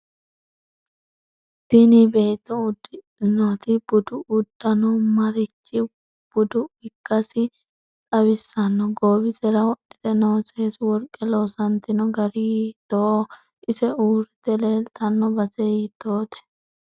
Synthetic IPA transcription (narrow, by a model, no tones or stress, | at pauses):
d̪̥ɪnɪbe̞ːt̪ːɔʊd̪ɪ | nɔt̪ɪb̥ʊd̪ʊʔʊd̪ːɐnɔmɐɾɪt͡ʃːɪ | b̥ʊd̪ʊɪkːɐsɪ | tʼɐβɪsːɐnːɔɡoːbɪsɛɾɐwɔɗɪ̥t̪ɛnoːseːswɔɾkʼːɛloːsɐnt̪ɪnɔɡɐɾit̪o | ʔɪsɛuːɾɪt̪ɛle̞ːlt̪ɐnːɔbɐsɛjɪt̪oːt̪ɛ̥